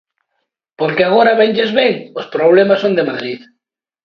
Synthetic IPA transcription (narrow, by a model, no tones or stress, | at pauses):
poɾkeaɣ̞oɾaβeɲʎezβeŋospɾoβ̞lemasond̪emaðɾið